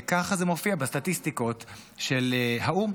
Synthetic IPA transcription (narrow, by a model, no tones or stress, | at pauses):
kaχazemofiabest̪atistiko̞tʃelhaum